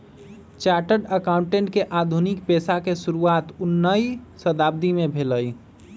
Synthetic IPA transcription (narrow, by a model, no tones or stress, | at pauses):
t͡ʃaʈəɾɖəkaʊ̃ɳʈẽɳʈkeʔad̪ʱunik̚peːsakesuɾuaːt̪ʊnːəisəd̪ab̚d̪imẽbʱeləj